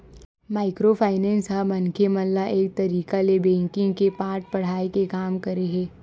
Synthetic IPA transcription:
maːɪkɾopʰaːɪnɛ̃ːnsɦamɐnkʰemɐnlaʔeːk̚t̪ɐɾiːkalebɛ̃ːŋkɪ̃ŋɡkepaːɾʈ̚pɐɽ̤aːekekaːmkɐɾeɦɛ̃ː

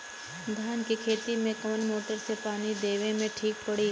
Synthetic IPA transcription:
d̪ʱaːnkikʰeːt̪imẽkɐmənmoːʈəɾsepaːnid̪eːʋẽmẽʈʰiːk̚pɐɽiː

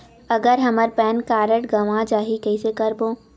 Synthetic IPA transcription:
ɐɡəɾɦɐməɾpɛːnkaːɾəʈɡɐʋãd͡ʒaːɦikɛisekɐɾbõː

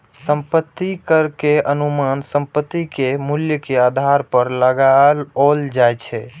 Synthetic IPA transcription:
səmpət̪ːikəɾkeənumansəmpət̪ːikemuljəkead̪ʱaɾpəɾləɡalold͡ʒajt͡ʃʰɛ

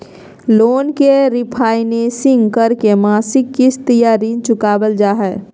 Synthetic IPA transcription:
loːnkeɾɪpʰaːɪneːsɪ̃ŋɡkəɾkemaːsɪkːɪsʰt̪əjaːɾiːnt͡ʃʊkaːbəld͡ʒaːɦɛː

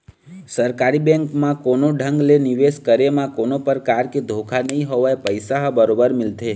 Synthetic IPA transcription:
səɾkaɾibɛ̃ŋkmãkonoɖʱəŋɡleniʋeskəɾemãkonopəɾkaɾked̪ʱokʰanəɦĩɦoʋaepəjsaɦbəɾobəɾmɪlt̪ʰe

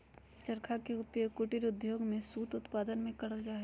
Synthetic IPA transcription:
t͡ʃɐɾkʰakeʊtjokʊʈiɾʊd̪joːɡmẽsuːt̪ʊt̪paːd̪ənmẽkɐɽəld͡ʒaːɦɛ

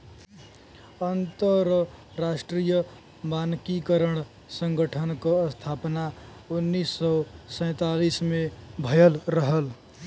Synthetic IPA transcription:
ənt̪əɾ | ɾasʈɾijə | mankikəɾəɳ | səŋɡəʈʰənkost̪ʰapna | unːisːɔsə̃j̃t̪alismebʱəjəlɾəɦəl

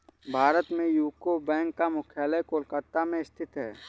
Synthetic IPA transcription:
bʱaːɾət̪mẽjuːkobɛ̃ːŋkːamʊkʰjaːləjkoːlkəɾt̪amẽɪst̪ʰɪt̪ɦɛː

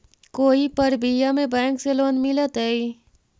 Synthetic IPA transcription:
koːipɐɾbʱijamẽbɛ̃ːŋkseloːnmɪlət̪ɦɛːi

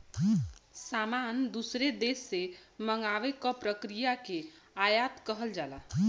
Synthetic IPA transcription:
samand̪usɾed̪esːeməŋɡaʋekɔpɾəkɾijake | ajat̪kəɦəld͡ʒala

